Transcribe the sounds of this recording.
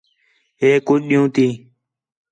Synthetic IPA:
ɦeːkʊd͡ʒɗɪjũːt̪iː

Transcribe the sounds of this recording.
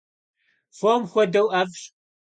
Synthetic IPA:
fomxʷɔdɐwʔaːvɕʼ

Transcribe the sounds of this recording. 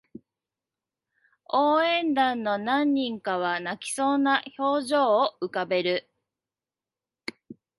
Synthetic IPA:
oːẽ̞nd̪ãnːo̞nãɲ̟ːĩŋkaβ̞anakʲi̥so̞ːnaço̞ːʑo̞ːɯkabe̞ɾɯ̟

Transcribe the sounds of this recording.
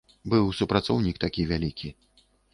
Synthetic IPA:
bɨwsupɾat̪sɔwnʲikt̪akʲivʲalʲikʲi

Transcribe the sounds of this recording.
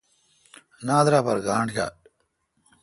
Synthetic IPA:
naːd̪ɾaːpaɾɡaːɳɖɡa̰ː

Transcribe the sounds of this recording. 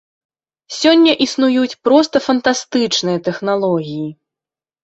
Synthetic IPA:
sʲɔnʲːɐʔisnujut͡sʲpɾɔst̪ɐfɐnt̪ast̪ɨt͡ʂnɨjɐt̪ɛxnalˠɔɣʲiji

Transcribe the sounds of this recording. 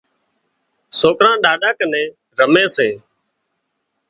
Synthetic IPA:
soːkɾãːɗaːɗaːkənẽː | ɾəmẽːseː

